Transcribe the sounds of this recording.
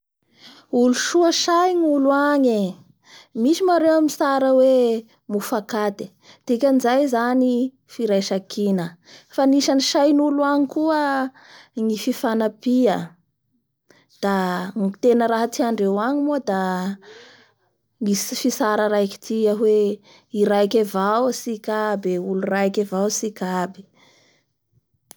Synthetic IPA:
uluʃuəʃajnuluaɲe | miʃimaɾewamisaɾəwe | mufakad̪e̥ | t̪ekʲanizajzani | fiɾajʃakʰinəfaniʃaniʃajnuluaɲikuə | ŋififanapiə | d̪̥aŋit̪enəɾaɦat̪iaɳɖ͡ʐewaɲimuəd̪a | ŋisifisaɾaɾajki̥t̪ʰiaɦwe | iɾajkevawsikabeulurajkevawsikabi̥

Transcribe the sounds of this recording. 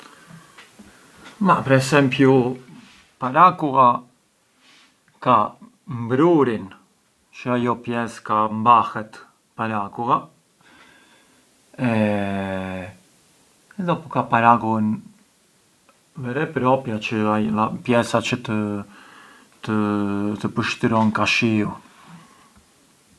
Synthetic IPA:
mapəɾɛsɛmpju | paɾakuɣa | ka | mbɾuɾin | t͡ʃəajɔpjɛskambaxɛt̪ | paɾakuɣa | ɛ | ɛðɔpukapaɾakuən | vɛɾɛpɾɔpjat͡ʃəaapjɛsat͡ʃət̪ə | t̪ət̪əpəʃt̪əɾɔnkaʃiu

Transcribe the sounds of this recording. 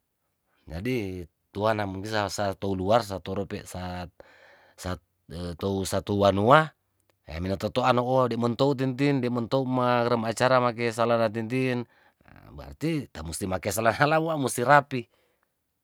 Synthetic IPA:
d͡ʒadi | t̪uanamuŋkisasat̪ouluars̬at̪ɔɾɔpɛʔsa | sa | t̪ousat̪uuwanua | a̰minat̪ɔt̪oanɔʔodɛmɔnt̪out̪̬int̪̬indɛmɔnt̪oumakɾəmat͡ʃaɾamak̬ɛs̬alanat̪̬int̪in | ba̰rt̪it̪amust̪imakɛsalanalabuaʔmust̪iɾapi

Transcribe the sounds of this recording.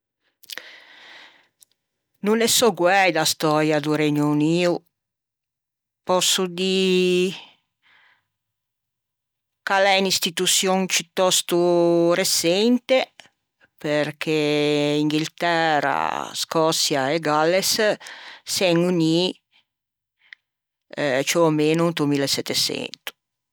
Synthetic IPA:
nunesɔɡwɛjd̪ast̪ɔɾjad̪uɾɛɲuuniːu | pɔsːud̪i | kalɛnist̪it̪ut̪sjɔŋpit̪ːɔst̪uɾesɛnt̪e | perkʰeiŋɡilt̪ɛra̰skɔt̪sjaeɡalːes | sɛŋuni | t͡ʃomeːnunt̪umilesːɛt̪ːesɛ̰nt̪u̥

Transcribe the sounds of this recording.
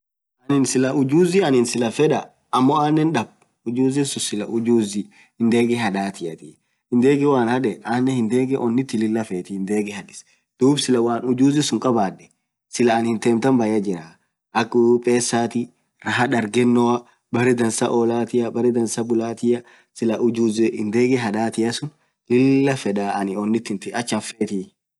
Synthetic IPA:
ʔɐnɪnsɪlɐʔʊd͡ʒuːzɪɐnɪnsɪlɐfɛᶑɐ | ɐmːɔaːnːɛnᶑɐb | ʊd͡ʒuːzɪsʊsɪlɐʔʊd͡ʒuːzɪ | hɪnd̪eːɡɛɦɐᶑaːt̪ɪjɐt̪ɪ | ɪnd̪eːɡɛwaːnhɐᶑɛʔaːnːɛhɪnd̪eːɡɛʔɔnːɪt̪ːɪlɪlːɐfeːt̪ɪhɪnd̪eːɡɛhɐᶑɪ̥s | d̪̥uːbsɪlɐwaːnʊd͡ʒuːzɪsʊŋkʼɐbaːᶑːɛ̥ | sɪlɐːnhɪnt̪eːmt̪ɐmbɐjɐd͡ʒɪɾaː | ʔɐkːʊpʼːe̞ːsːaːt̪ɪ | ɾɐɦɐᶑɐɾɡɛnːɔwɐ | bɐɾɛd̪ɐnsɐʔɔlaːt̪ɪjɐbɐɾɛd̪ɐnsɐbʊlaːt̪ɪjɐ | sɪlɐʊd͡ʒuːzɛɪnd̪eːɡɛɦɐᶑaːt̪ɪjɐsʊn | lɪlːɐfɛᶑaːɐnɪɔnːɪt̪ːɪnt̪ɪɐt͡ʃːɐfeːt̪ɪ

